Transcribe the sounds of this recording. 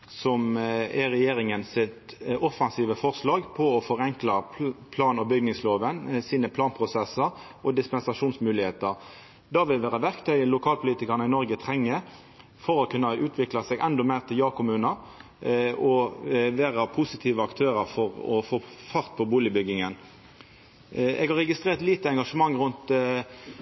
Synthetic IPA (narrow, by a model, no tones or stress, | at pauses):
sɔmæʁɛjeːɾɪŋənsɪt̪ɔfɑnsiːʋəfɔʁslɑːɡpʰɔɔfɔʁɛŋklɑpʰlɑːnɔbʏɡnɪŋsloːʋənsiːnəpʰlɑːnpʰʁʊsɛsəɾ | ɔd̪ɪspɛnsɑʂuːnsmʉːlɪheːt̪əʁ | d̪ɑʋɪlʋæːʁəʋæʁkt̪ʰœʏəlʊkʰɑːlpʰʊliːt̪ɪkəʁnəɪnɔʁɡət̪ʰʁɛŋːə | fɔʁɔkʰʉnːɑʉːt̪ʰʋɪklɑsɛɡʔɛnd̪ɔmæɪʁt̪ʰɪljɑːkʰʊmʉːnɑ | ɔʋeːʁɑpʰʊsɪt̪ʰiːʋəɑkt̪ʰøːɾəfɔʁɔ̰foːfɑʁt̪̚pʰɔbuːlɪbʏɡɪŋən | ɛ̰ɡhɑʁɛɡɪst̪ʁeːʁt̪liːt̪əɛŋɡɑʂəmɑŋʁʉnt̪